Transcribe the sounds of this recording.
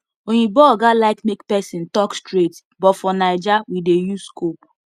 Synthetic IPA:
oɲibɔɡalaɪkmekpɛsĩntɔkstɾet | bɔtfɔnaɪd͡ʒawidejuskop

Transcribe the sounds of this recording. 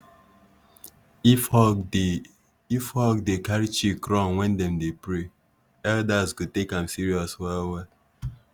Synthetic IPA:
fɔ | ifhɔkdekaɹit͡ʃikɾɔ̃nwɛ̃ndɛ̃mdepɹe | ɛldazkutekãmsiɹiɔswɛlwɛl

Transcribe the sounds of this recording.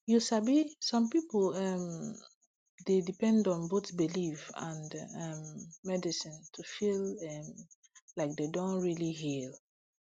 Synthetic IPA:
jusabisɔ̃mpiplɛm | dedipɛ̃ndɔ̃nbotbilivã̰ndɛmːɛdisĩntʰufilɛm | laɪk̚dedõnɹilihil

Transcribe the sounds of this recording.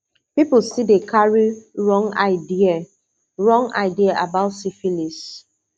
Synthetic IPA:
piplsidekʰaɹiɹɔ̃ŋa̰ɪdia | ɹɔ̃ŋa̰ɪdiaʔabaʊtsifilis

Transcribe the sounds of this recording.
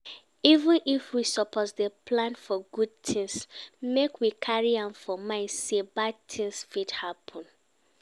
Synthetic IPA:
ivə̃nifwisɔpʰɔtdəpʰlãnfɔɡud̚tʰĩŋsmekwikʰaɹiãmfɔmãɪ̃ndsebad̚tʰĩŋsfidhapʰɔ̃n

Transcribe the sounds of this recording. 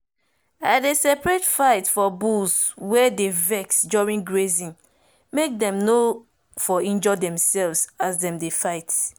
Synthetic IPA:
adesɛpɹɛtfaɪtfɔbuswɛdevɛksd͡ʒɔɹĩŋɡɹezĩn | mek̚dɛ̃mno | fɔĩnd͡ʒɔdɛ̃msɛlvsasdɛ̃mdefaɪt

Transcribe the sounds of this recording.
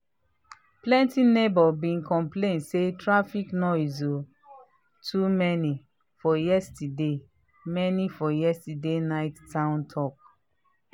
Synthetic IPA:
plɛ̃ntinebɔbĩnkɔ̃mplẽnsetɹafiknɔizo | tʰumɛni | fɔjɛstide | mɛnifɔjɛstidenaɪtːãʊ̃ntʰɔk̚

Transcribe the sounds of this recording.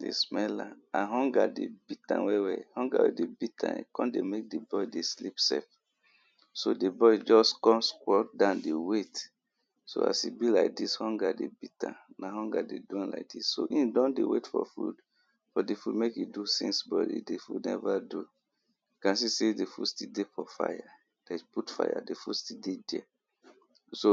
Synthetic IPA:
dḛsmɛlaãnɦɔ̃ŋɡadebitã̰nwɛwɛhɔ̃ŋɡa̰wedebitʰã̰nḭkɔ̃ndemek̚debɔjdeslipsɛf | sodebɔjd͡ʒɔskɔ̃mskwɔt̚dãndewet | so̰a̰sibilaɪk̚dishɔ̃ŋɡadebitã̰naɦɔ̃ŋɡa̰deduãnla̰ɪk̚disːoʔĩndɔ̃ndewetfɔ̰fṵd | fɔdefudmekjudusḭ̃nsbɔ̰dḭdefudnɛvadu | kãns̬isedefṵdstidefɔfa̰ja | d̥eputfa̰ja̰defustildedɛ | so

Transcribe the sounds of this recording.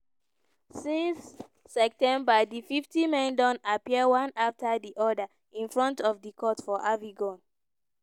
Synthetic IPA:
sĩnsː | ɛk̚tɛ̃mbədififtimɛ̃ndɔ̃napiəwãnaftʰədiʔɔdə | ĩnfɹɔ̃ntɔvdikʰɔtfɔʔaviɡɔ̃n

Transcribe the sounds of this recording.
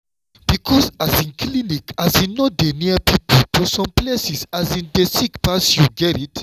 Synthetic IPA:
b̥ikʰɔsazĩnkʰlinikazĩnːodeniəpipltʰusɔ̃mplesisazĩndesikpasjuɡɛɾit

